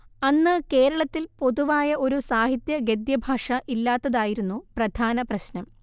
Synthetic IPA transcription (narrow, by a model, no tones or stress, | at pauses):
ɐnːɨke̞ːɾɐɭɐt̪ːilpo̞ðuʋaːjɐʔo̞ɾusaːɦit̪jɐɡed̪jɐbʱaːʂɐʔilːaːt̪ːɐðaːjiɾunːuprɐd̪ʱaːnɐprɐɕnɐm